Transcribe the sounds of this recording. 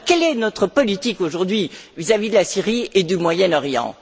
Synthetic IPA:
kɛlɛnɔt̪χəpɔlit̪ikoʒuʁd̪ɥivizavid̪əlasiʁied̪ymwajɛnɔʁjɑ̰̃

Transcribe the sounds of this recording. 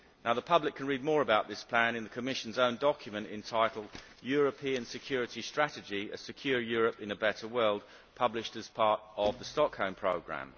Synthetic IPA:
naʊðəpʰʌblɪkʰə̃nɹiːd̚mɔːɹəbaʊʔ̪̚ðɪspʰl̥æ̃nɪ̃nðəkʰəmɪʃə̃n̩zə̃ʊ̃ndɒkʰjəmə̃ntɪ̰̃ntʰaɪtˡl̩ˠdjɔːɹəpʰĩə̃nsɪkʰj̥ɔːɹɪtistɹ̥ætɪd͡ʒiə̰sɪkʰj̥ɔːjɔːɹəpɪ̃nəbɛtəwɜːlˠd̚ | pʰʌblɪʃtəz̥pʰɑˑtəvðəstɒkhə̃ʊ̃mpʰɹ̥əʊɡɹæ̰̃m

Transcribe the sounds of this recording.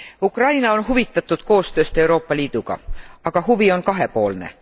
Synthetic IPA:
ukrɑjnɑonhuvit̪ːˑɑt̪ːˑud̪̥ko̞ːst̪ø̞ːst̪e̞wɾo̞ːpːˑɑliːd̪̥uɡ̥ɑ̰ɑɡ̥ɑhuvio̞nkɑɦe̞po̞ːlne̞̰

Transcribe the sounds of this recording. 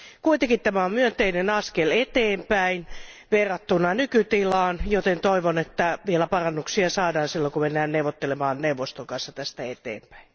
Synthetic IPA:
kuit̪eŋkit̪t̪æmæommyønt̪einenɑskelet̪eːmpæin | ʋerːɑt̪ːunɑnykyt̪ilɑːnjot̪ent̪oiʋonet̪ːæʋielæpɑrɑnːuksiɑsɑːdɑːnsilːokumenːæːnneuwʋot̪ːelemɑːnneuʋost̪oŋkɑnsːɑt̪æst̪æet̪ḛːmpæ̥i

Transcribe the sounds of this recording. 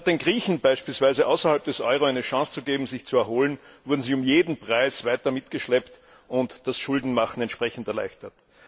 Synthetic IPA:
d̥eːnɡʁiːçn̩b̥aɪʃpiːlsvaɪzəʔa̰ʊsɐhalp̚d̥ɛsʔɔ̰ʏʁoæɪnəʃɑ̃ŋst͡suɡeːbm̩zɪçt͡suɛɐhoːlənvʊɐdn̩ziːʊmjeːdn̩pʁ̥aɪsvaɪtɐmɪtɡ̥əʃlɛpt | ʊntd̥asʃʊldn̩maχn̩ɛntʃpʁ̥ɛçn̩tɛɐlæ̰ɪçtɐt

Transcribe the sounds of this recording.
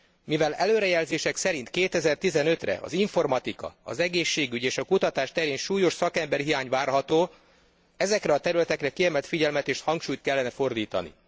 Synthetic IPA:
mivɛlɛløːɾɛjɛlzeːʃɛksɛɾint̪keːt̪ɛzɛrt̪izɛnø̞t̪rɛ̰ɒ̰ziɱfo̞rmɒt̪ikɒ̰ɒ̰zɛɡeːʃːeːɡyɟeːʃɒkut̪ɒt̪aːʃt̪ɛɾeːnʃuːjo̞ʃsɒkɛmbɛrɦijaːɲvaːrɦɒt̪oː | ɛzɛkrɛɒt̪ɛɾylɛt̪ɛkrɛkiɛmɛlt̪fiɟɛlmɛt̪eːʃhɒŋkʃuːjt̪̚kɛlːɛnɛfo̞rd̪iːt̪ɒ̰nḭ

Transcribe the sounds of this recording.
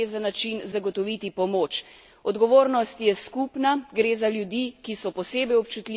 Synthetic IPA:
ezanat͡ʃinzaɡɔt̪ɔʋit̪ipɔmoːt͡ʃ | ɔd̪ɡɔʋoːɾnɔst̪jɛskupnaɡɾeːzaljud̪iːkisɔpɔseːbɛjɔp̚t͡ʃut̪li

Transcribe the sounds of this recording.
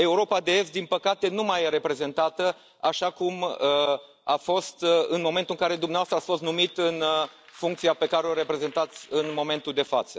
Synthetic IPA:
e̞uɾo̞pad̪e̞e̞st̪d̪inpəkat̪e̞numajeɾe̞pɾe̞ze̞nt̪at̪ə | aʃakumə | afo̞st̪ɨnmo̞me̞nt̪uɨŋkaɾe̞d̪umnevast̪ɾasfo̞s̬t̪numit̪ɨnfuŋkt̪siape̞kaɾeoɾe̞pɾe̞ze̞nt̪at̪sʲɨnmo̞me̞nt̪uld̪e̞fat̪sə

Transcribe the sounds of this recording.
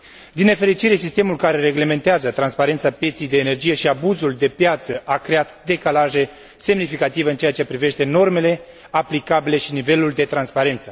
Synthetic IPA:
d̪ine̞fe̞ɾit͡ʃiɾe̞sist̪e̞mulkaɾe̞ɾe̞ɡle̞me̞nt̪eazət̪ɾanspaɾent̪sapje̞t̪sijd̪e̞ːne̞rd͡ʒije̞ʃiabuzuld̪e̞pjat̪səʔakɾe̞at̪d̪e̞kalaʒe̞ | se̞mnifikat̪iveɨnt͡ʃejat͡ʃe̞pɾive̞ʃt̪e̞no̞rme̞le̞ | aplikabile̞ʃinive̞luld̪e̞t̪ɾanspaɾe̞nt̪sə

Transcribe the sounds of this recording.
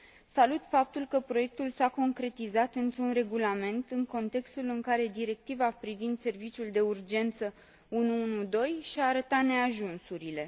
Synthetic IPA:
salut̪fap̚t̪ulkəpɾo̞je̞k̚t̪ulsako̞ŋkɾe̞t̪izat̪ɨnt̪ɾunre̞ɡulame̞nt̪ɨŋko̞nt̪e̞kst̪ulɨŋkaɾe̞d̪iɾe̞k̚t̪ivapɾivind̪se̞rvit͡ʃiuld̪e̞urd͡ʒe̞nt̪sə | unuunud̪o̞jʃiaːɾət̪at̪ne̞aʒunsuɾile̞

